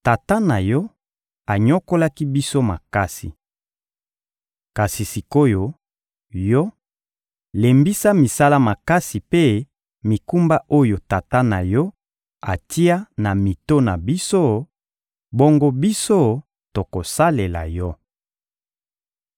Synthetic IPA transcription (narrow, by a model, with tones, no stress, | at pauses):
ta˨ta˦na˨jɔ˦ | a˨ɲo˦ko˦la˦ki˦bi˦so˦ma̰˨ka˦sḭ˨ | ka˨si˨si˨ko˦jo˨ | jɔ˦ | le˨mbi˦sa˦mi˨sa˦la˦ma˨ka˦si˨pe˦ | mi˨ku˦mba˦ʔo˦jo˨ta˨ta˦na˨jɔ˦ | a˨ti˦a˦na˨mi˨to˦na˨bi˦so˦ | bo˦ŋɡo˦bi˦so˦ | to˨ko˨sa˦le˨la̰˨jɔ˦